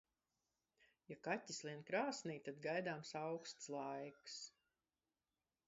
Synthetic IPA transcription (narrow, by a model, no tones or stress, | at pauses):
jakatʲːislˠiɛnkɾaːsniːt̪ad̪ɡajd̪aːmsawkst̪slˠajks